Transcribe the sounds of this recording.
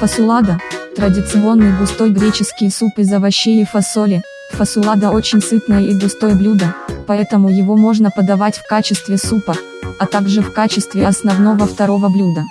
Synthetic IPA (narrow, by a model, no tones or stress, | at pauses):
fəsʊlˠad̪ət̪ɾədʲɪt̪sɨo̞nːɨjɡʊst̪o̞jɡɾʲet͡ɕɪskʲɪjəsupɨzəvɐɕːejɪfɐsolʲɪ | fəsʊlˠad̪əo̞t͡ɕɪnʲsɨt̪nəjəiɡʊst̪o̞jəblʲud̪əpɐɛt̪əmʊjɪvo̞mo̞ʐnəpəd̪ɐvatʲfkat͡ɕɪst̪vʲɪsupə | ɐt̪aɡʐɨfkat͡ɕɪst̪vʲɪɐsnɐvno̞vəft̪ɐɾo̞vəblʲud̪ə